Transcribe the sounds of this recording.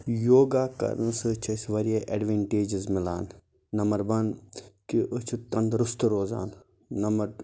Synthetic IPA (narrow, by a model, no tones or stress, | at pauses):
joːɡaːkɐ̰ɾnsɨt͡ʃʰɐsʋɐɾeʔɐ̰ɖʋeːɳʈeːd͡ʒizmɪla̰ːn | nɐmɐɾbɐnkiʔət͡ʃʰut̪ɐ̃nd̪ɾust̪uɾoːza̰ːn | nɐmɐɾ